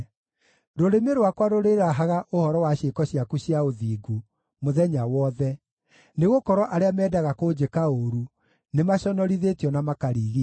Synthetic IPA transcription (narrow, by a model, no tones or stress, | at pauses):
ɾoɾemeɾowakwaɾoɾeɾaɦaɣaʔohɔɾɔwaɕekɔɕiakuɕiaoðiːɡu | moðɛɲawɔðɛ | neɣokɔɾɔʔaɾeamɛːdaɣakod͡ʑekaoɾu | nemaɕɔnɔɾiðetjɔnamakaɾiːɣi